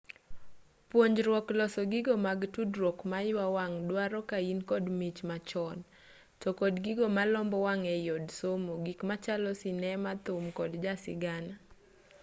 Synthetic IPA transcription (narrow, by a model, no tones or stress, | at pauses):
pwoɲd͡ʒɾwɔklɔsɔɡɪɡɔmaɡtudrwɔkmajwawaŋdwaɾɔkainkɔdmit͡ʃmat͡ʃɔn | tɔkɔdɡɪɡɔmalɔmbɔwaŋɛjodsomoɡikmat͡ʃalɔsɪnɛmat̪ʊmkɔdd͡ʒasɪ̰ɡana